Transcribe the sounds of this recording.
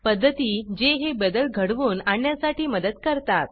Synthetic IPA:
pəd̪ʱːət̪iːd͡ʑeɦebəd̪əlɡʱəɽʋuːnaɳjasaʈiːməd̪əd̪kəɾt̪at̪̚

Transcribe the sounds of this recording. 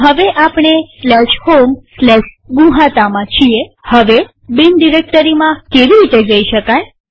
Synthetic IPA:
ɦəʋeʔapɳ̃eslɛʃhomslɛʃɡũɦãt̪amãt͡ʃʰiehəʋe | binɖiɾek̚ʈəɾimãkeʋiɾit̪ed͡ʒəiʃəkaj

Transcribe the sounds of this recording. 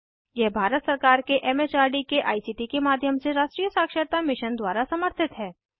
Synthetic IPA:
jɛɦbʱaːɾət̪sɐɾkaːɾkeʔɛːmeːt͡ʃaːɾɖikeʔa̰ːisiːʈikemaːd̪ʱjəmseɾaːʃʈɾiːjəsaːkʃəɾt̪amɪʃənd̪waːɾasɐməɾt̪ʰɪt̪ɦɛː

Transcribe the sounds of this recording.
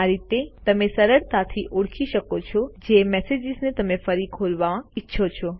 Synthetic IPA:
aɾɪt̪et̪ɐmẽsɐɾəɾt̪at̪ʰiʔoɽkʰiʃəkot͡ʃʰɔd͡ʒemɛsed͡ʒɪznet̪ɐmẽfəɾikʰolʋaɪtːʃʰot͡ʃʰɔ

